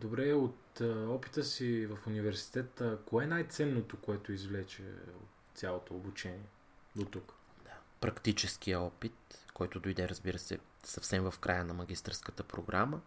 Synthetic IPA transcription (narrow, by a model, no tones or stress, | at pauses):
d̪obɾɛot̪ɔpi̥t̪əsivɐfunivɛɾsi̥t̪ɛt̪əkoɛnajt̪sɛnːot̪okoɛt̪oizvlɛt͡ʃɛ̰o̰t̪sʲjalˠot̪oːbut͡ʃɛniɛ | d̪ot̪uk | d̪̥apɾɐkt̪it͡ʃɛsk̟ijəɔpit̪kɔjt̪od̪ojd̪ɛɾəzbiɾəsɛ̰ | sɐfsɛmvəfkɾʔajənɐmɐɡ̟ʲist̪əɾskət̪əpɾoɡɾamə